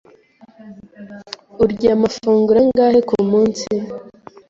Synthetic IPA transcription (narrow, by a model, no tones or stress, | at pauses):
uɾɟaːmafuːŋɡuɾaŋɡaːhe̞kumuːnsi